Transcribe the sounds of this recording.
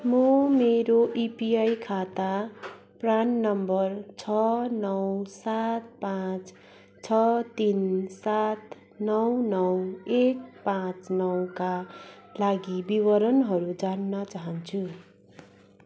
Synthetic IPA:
mʌmeɾoʔipiajkʰat̪a | pranːʌmbʌrt͡sʰʌnʌwsat̪̚pãt͡s | t͡sʰʌt̪insat̪ | nʌwnʌwek̚pãt͡snʌwkalaɡibiwʌɾʌnɦʌɾud͡zanːʌt͡saɦʌnt͡sʰu

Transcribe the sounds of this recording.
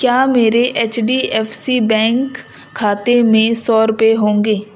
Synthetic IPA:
kjaːmeːɾeʔeːt͡ʃɖiːʔɛːpʰsiːbɛ̃ːŋkʰː | aːt̪emẽːsɔːɾʊpeɦõːŋɡeː

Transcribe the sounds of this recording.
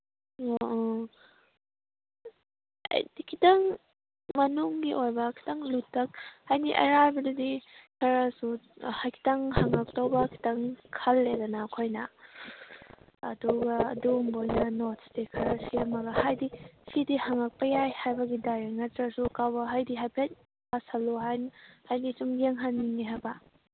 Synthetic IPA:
o | ɐ̰jdikʰitɐŋ | mɐnuŋɡiʔojbɐkʰi̥tɐŋlutːɐk̚hajniʔɐ̰ɾajbɐdɐdikʰɐɾasuhajkʰi̥tɐŋhaŋak̚towbɐkʰi̥tɐŋkʰɐlːedɐnaːkʰojnɐ | ɐ̰duɡɐɐ̰dumbojnɐnotsdikʰɐɾɐsiɐmɐɡɐhajdisidihaŋak̚pɐjajhajbɐɡidaɾeŋɐtɾɐsukawbɐɦajdiɦajpʰet̚ | basɐluɦajnhajnisumɡeŋɦanːiŋiɦajbɐ

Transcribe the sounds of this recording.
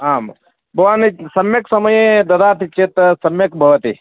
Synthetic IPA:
aːm | bʱɐʋaːnisɐmjɐksɐmɐjed̪ɐd̪aːt̪ʰit͡ʃet̪sɐmjɐkbʱɐʋɐt̪ḭ

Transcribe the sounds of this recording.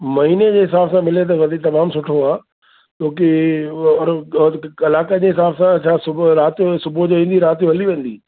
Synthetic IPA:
mɐɦiːned͡ʑeːɦɪsaːbsãmɪlet̪̬ɐʋɐd̪ʱit̪ɐmaːmsʊʈʰoaː | t͡ɕoːkiɔɾ | ɐlaːkəd͡ʑeːɦɪsaːbsãt͡ɕʰaːsʊɾaːt̪ijosʊbod͡ʑoːɦĩːn̆d̪iɾaːt̪ijoɦɐliʋẽːn̆d̪iː

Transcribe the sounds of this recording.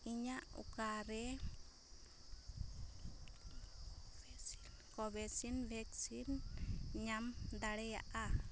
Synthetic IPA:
iɲaʔṵkaɾɛ | kɔβɛsinvɛksinɲamd̪aɽɛja̰ʔa

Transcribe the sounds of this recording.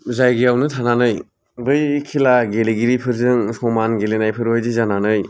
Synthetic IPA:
zajɡiawnɯtʰananɯj | bɯjkʰilaɡeliɡiɾipʰɯɾzɯŋsɔmanɡelenajpʰɯɾojzizananɯj

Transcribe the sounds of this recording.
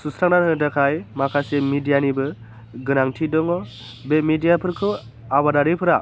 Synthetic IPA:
susɾaŋnanɯdakʰajmakʰasemidijanibɯ | ɡɯnaŋtʰidɔŋɔ | bemidijapʰɯɾkʰɯ | abadaɾipʰɯɾa

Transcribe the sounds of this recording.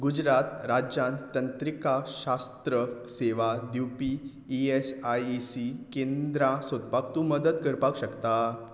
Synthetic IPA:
ɡud͡ʑɾat̪ɾad͡ʑjãnt̪ənt̪ɾikaɕast̪ɾəseʋad̪iwpi | iesajisikẽnd̪ɾãsəd̪pakt̪ũːməd̪ət̪kəɾpakɕəkt̪a

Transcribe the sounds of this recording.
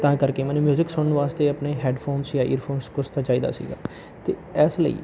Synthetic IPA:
t̪ãːkəɾkeːmɛ̃ːnũmjuːzɪksʊnʋaːst̪eːəpneːɦɛːɖpʰoːmsjãːʔḭːɾpʰoːɾmskʊst̪ãːt͡ʃaːiːd̪a̰ːsḭːɡa̰ː | t̪eːɛːslə̰ḭː

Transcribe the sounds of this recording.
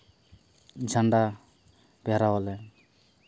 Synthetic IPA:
d͡ʒʱaɳɖa | bɛɾawɔlɛ

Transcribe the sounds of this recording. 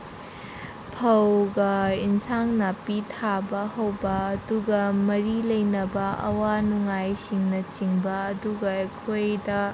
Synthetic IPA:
pʰɐwɡɐinsaŋnapitʰabɐhɐwbɐːduɡɐmɐɾilɐjnɐbɐʔɐ̰wanuŋajsiŋnɐt͡ʃiŋbɐːduɡɐekʰojdɐ

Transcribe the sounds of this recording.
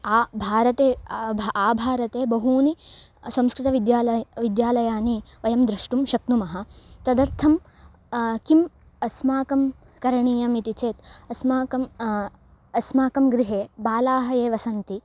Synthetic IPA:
aːbʱaːɾɐt̪eːbaːbʱaːɾɐt̪eːbɐɦuːni | sɐ̃mskɾɪt̪ɐʋid̪jaːlɐʋid̪jaːlɐjaːniʋɐjɐmd̪ɾɐʂʈumʃɐknumɐɦɐ̆t̪ɐd̪ɐɾt̪ʰɐm | kim | ɐsmaːkɐm | kɐɾɐɳiːjɐmit̪it͡ʃeːt̪ɐsmaːkɐm | ɐsmaːkɐmɡɾiɦeːbaːlaːɦɐjeːʋɐsɐnt̪i

